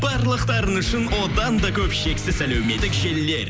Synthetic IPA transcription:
bɑɾlˠəqt̪ɑɾənʏʃɪnwo̞d̪ɑnd̪ɑkʲʰɵpʃe̞ksɪsælɵwmet̪ːɪkʒe̞lːe̞̰ɾ

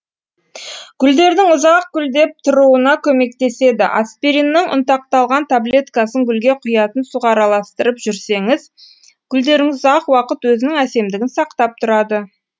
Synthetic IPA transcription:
kʲʰʏld̪e̞ɾd̪ɪŋʊzɑq̚kʲʰʏld̪e̞p̚t̪ʰʊɾuənɑkʲʰɵme̞k̚t̪e̞se̞d̪ɪ̰ʔa̰spʲiɾinːɪŋʔʊ̰nt̪ɑq̚t̪ɑlˠʁɑnt̪ʰable̞t̪kɑsəŋɡʲʏlɡʲe̞qʰʊjɑt̪ənsuʁɑɾɑlˠɑst̪əɾəpʒʏɾse̞ŋɪz | kʲʰʏld̪e̞ɾɪŋɪzɑqwɑqət̪wɵzɪnɪŋæse̞md̪ɪɡʲɪnsɑqt̪ɑp̚t̪ʰʊɾɑd̪ə

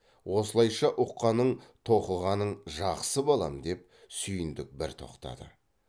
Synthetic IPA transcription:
wʔo̞səlˠɑjʃɑʔʊqːɑnəɴt̪ʰo̞qəlˠʁɑnəɴʒɑqsəbɑlˠɑ̰md̪e̞p̚ | sʏjɪnd̪ɪk̚bɪɾt̪ʰo̞̰qt̪ɑ̰d̪ə̰

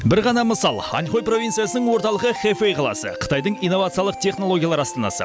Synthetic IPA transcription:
bɪɾʁɑnɑməsɑlˠɑ̰nχojpro̞vʲint̪sijasənəɴwo̞ɾt̪ɑlˠəʁəχefejqʰɑlˠɑ̰sə̰qʰə̥t̪ɑjd̪əɴijnːo̞vat̪sɨjɑlˠəq̚t̪ʰe̞χno̞lˠo̞ɡʲjalˠɑɾɑst̪ɑnɑ̰sə̰

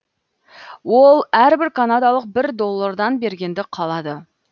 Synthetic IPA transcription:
wo̞lˠæɾbɪɾkʰanad̪ɑlˠəq̚bɪɾd̪o̞lˠːaɾd̪ɑnbe̞ɾɡʲe̞nd̪ɪqʰɑlˠɑd̪ə

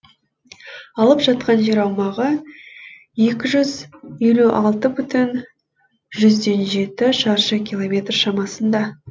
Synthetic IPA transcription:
ɑlˠəpʒ̥ɑt̪̚qɑnʒe̞ɾɑwmɑʁə | je̞kʲɪʒʏzje̞luʔɑlˠt̪əbʏt̪ɪn | ʒʏzd̪e̞nʒe̞t̪ɪʃɑɾʃəkʲilˠo̞mʲe̞t̪rʃɑmɑsənd̪ɑ

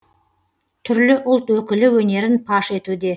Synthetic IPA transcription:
t̪ʰʏɾlɪʔʊlˠt̪wɵkʲɪlɪwɵne̞ɾɪnpʰɑʃe̞t̪ud̪e̞

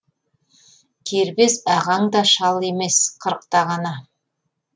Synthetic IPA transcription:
kʲʰeɾbesɑʁɑɴd̪ɑʃɑlˠe̞me̞sqʰəɾəq̚t̪ɑʁɑnɑ

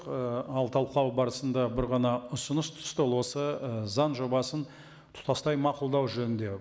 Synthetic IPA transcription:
qəɑlˠt̪ʰɑlˠqɑwbɑɾəsənd̪ɑbɪɾʁɑnɑʊsənəst̪ʰʊɪ̥st̪olˠwo̞səəzɑnʒo̞bɑsən | t̪ʰʊ̥t̪ɑst̪ɑjmɑqʊlˠd̪ɑwʒɵnɪnd̪e̞

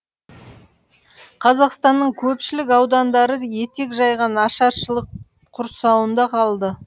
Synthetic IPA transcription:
qʰɑzɑqst̪ɑnːəɴkʲʰɵpʃɪlɪkɑwd̪ɑnd̪ɑɾəje̞t̪e̞kʒɑjʁɑnɑʃɑɾʃəlˠəq | qʰʊɾsɑwənd̪ɑqʰɑlˠd̪ə

